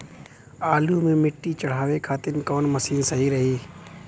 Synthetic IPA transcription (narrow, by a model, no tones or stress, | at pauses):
aːluːmẽːmɪʈːiːt͡ʃəɽ̤aːʋeːkʰaːt̪ɪnkoːnməsiːnsəɦiːɾəɦiː